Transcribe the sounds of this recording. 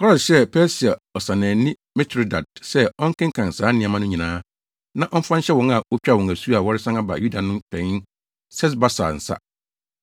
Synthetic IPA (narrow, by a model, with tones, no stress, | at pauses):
kʰɔ˦˨sɕɛ˦pʰɛ˦si˨a˨ɔ˨sã˨nɛ̃ː˨˦nĩ˦ | mɛ˦tʰɾi˦da˨d̚sɛ˦ɔ̃˦ŋ̩˦kɪ̃˦ŋ˦kʰã˨n̩˨saː˨˦nɪ̃˦a˨mã˦nʊ̃˦ɲĩ˨nãː˦ | nã˦ʔɔ˦m˦fã˦n˦ɕɛ˦wɔ̃˨˦ŋa˨wo˦t͡ɕᶣa˦˨wɔ̃˨ŋæ˨su˦a˨wɔ˦ɾɪ˦sã˦ŋa˦ba̰˨ju˦da˨nʊ̃˦mpʰɛ̃˨ŋ˦ | sɛ˦s̬ba˦sa̰˨n̩˨sa̰˦